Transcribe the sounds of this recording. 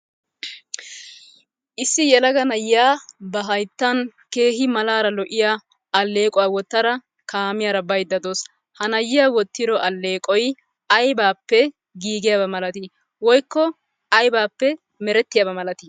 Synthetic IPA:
ʔɪsːɪjɛlɐɡɐnɐjːaːbɐɦɐjt̪ːɐnke̞ːɦɪmɐlaːɾɐlɔʔɪja | ɐlːe̞ːkʼɔwɐwɔt̪ːɐɾɐ | kaːmɪjaɾɐbɐjd̪ːɐd̪oːs | hɐnɐjːɪjaːwɔt̪ːɪɾɔʔɐlːe̞ːkʼɔj | ɐjbaːpːɛ | ɡiːɡɪjabɐmɐlɐt̪ɪ | wɔjkːɔ | ɐjbaːpːɛ | mɛɾɛt̪ːɪjabɐmɐlɐt̪ɪ

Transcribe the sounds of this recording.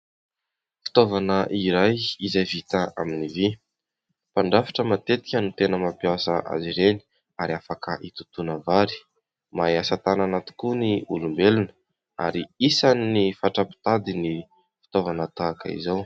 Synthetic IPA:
fi̥t̪ovanəʔiɾajizajvit̪aa̰minivi | paɳɖ͡ʐafḁʈ͡ʂəmat̪et̪i̥kʲənut̪enəmapiasəʔa̰ziɾeni̥ | aɾiafakəʔit̪ut̪unəvaɾi̥ | majasat̪ananat̪i̥kuniulumbelunə̥ | a̰ɾiisaninifaʈ͡ʂapi̥t̪ad̪ini | fi̥t̪ovanət̪akə̰ḭzow

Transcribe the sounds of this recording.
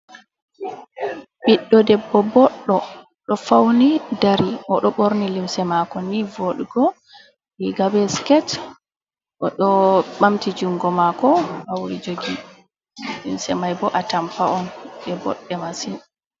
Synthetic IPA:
biɗːɔdɛbːɔbɔɗːɔ | ɗɔfawnidaɾiʔɔɗɔɓoɾnilimsɛmakɔnivoɗuɡɔ | iɡabɛskɛt | ʔɔɗɔɓamtid͡ʒuŋɡɔmakɔawɾid͡ʒoɡi | limsɛmajbɔʔatampaʔɔnbɛbɔ̰ɗːɛmasin

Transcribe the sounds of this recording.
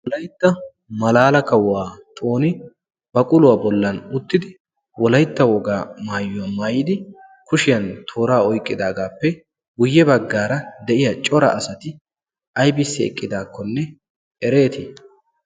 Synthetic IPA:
wɔlɐjt̪ːɐ | mɐlaːlɐkɐwːaːt̪ʼo̞ːnɪ | b̥ɐkʼʊlʊwaːbɔlːɐnʊt̪ːɪd̪ɪ | wɔlɐjt̪ːɐwɔɡaːmaːjːʊwɐmaːjɪd̪ɪ | kʊʃɪjɐnt̪ʰo̞ːɾaːɔjkʼːɪd̪aːɡaːpːɛ | ɡʊjːɛbɐɡːaːɾɐd̪ɛʔɪjɐt͡ʃʼɔɾɐ̰ʔɐsɐt̪ɪ | ɐjbɪsːɛɛ̰kʼːɪd̪aːkːɔnːɛ | ɛɾe̞ːt̪ɪ

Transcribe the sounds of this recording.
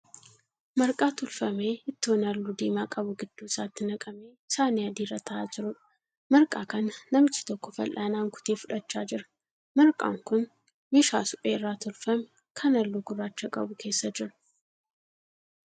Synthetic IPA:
mɐɾkʼaːt̪ʊlfɐme̞ːɪt̪ːɪɔnɐlːud̪eːmaːkʼɐbʊɡɪd̪̥ːuːsaːt̪ːɪnɐkʼɐmeːsaːneɐd̪iːrɐt̪ʰɐʔaːd͡ʒɪɾʊᶑɐ̥ | mɐɾkʼaːkɐnɐːɐmɪt͡ʃːɪ̥t̪ɔkːɔfɐ̰lʔaːnaːŋkʰʊ̥t̪eːfʊᶑɐt͡ʃːaːd͡ʒɪɾɐ̥ | mɐɾkʼa̰ːŋkʊn | meʃaːsʊpʼeːrːaːt̪ʊlfɐmɛ | kʰɐnɐlːuːɡʊrːaːt͡ʃːɐkʼɐ̰bʊkʰe̞ːsːɐd͡ʒɪɾʊ̥

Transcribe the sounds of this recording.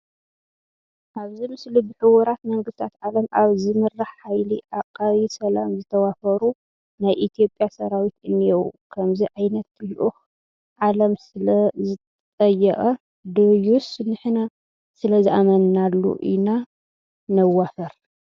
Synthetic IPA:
ʔaβzimɨslibɨħɨwɔɾat̪mɐŋɡɨst̪ʰat̪ʕalɐmʔaβzimɨrːaħːajliʔaqʼːaβisɐlamzɨt̪ʰɐwafɐɾu | najʔit̪ʰijo̞pʼjasɐɾawit̪ɨnːijɛwkʰɐmziʕajnɐt̪luʔux | ʕalɐmsɨlɐzɨt̪ | t̪ʼɐjːɛχʼɐ | d̪ojusɨnɨħna | sɨlɐziʔamɐnnalːṵʔina | nɐwːafɐɾ

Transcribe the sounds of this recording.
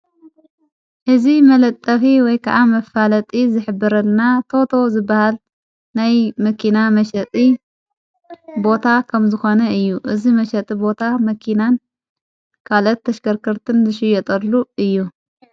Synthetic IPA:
ħɨzimɐlɐt̪ʼːɐfiwɔjkʰɐʔamɐfalɐt̪ʼizɨħɨbːɐɾɐlnat̪ʰo̞t̪ʰo̞zɨbːahal | najmɐkʰinamɐʃɐt̪ʼi | bo̞t̪ʰakʰɐmzɨxo̞nɐɨjːuʔɨzimɐʃɐt̪ʼibo̞t̪ʰamɐkʰinan | kʰalɐt̪ːɐʃkɐɾkʰɐɾt̪ʰɨnzɨʃɪjɛt̪ʼɐlːuɨjːu

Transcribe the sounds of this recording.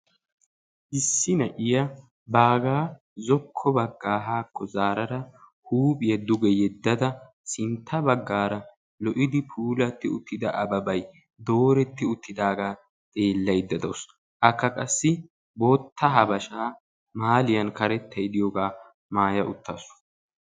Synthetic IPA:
ʔɪsːɪnɐʔɪjɐ | baːɡaː | zɔkʰːɔbɐɡːaːɦaːkʰːɔzaːɾɐɾɐ | huːpʼɪjɐd̪ʊɡɛjɛd̪ːɐd̪ɐ | sɪnt̪ʰːɐbɐɡːaːɾɐ | lɔʔɪd̪ɪpʰuːlɐt̪ːɪʊt̪ːɪd̪ɐʔɐbɐbɐj | d̪o̞ːɾɛt̪ːɪʊt̪ːɪd̪aːɡaː | t͡sʼe̞ːlːɐjd̪ːɐd̪ɐws | ʔɐkːɐkʼɐsːɪ | bo̞ːt̪ːɐɦɐbɐʃaː | maːlɪjɐnkɐɾɛt̪ʰːɐjd̪ɪjɔɡaː | maːjɐʔʊt̪ːɐsʊ̥

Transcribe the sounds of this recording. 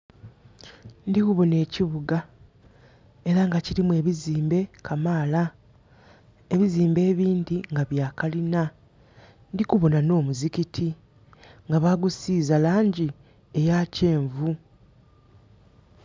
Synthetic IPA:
ndikuβo̞ne̞ːciβuɡa | e̞ɾaŋɡaciɾimwe̞ːβiziːmbe̞kʰamaːla | e̞βiziːmbe̞ːβiːndiŋɡaβjaːkalina | ndikuβo̞nano̞ːmuzicitʰi | ŋɡaβaɡusiːzalaːɲɟi | e̞jaːce̞ːɱvu

